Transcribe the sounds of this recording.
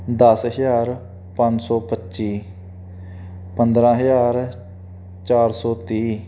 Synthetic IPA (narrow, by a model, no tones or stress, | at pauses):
d̪əsəɦjaːɾ | pãɲd͡ʒsɔːpətːʃiː | pənd̪ɾãːɦəjaːɾ | t͡ʃaːɾsɔːt̪iː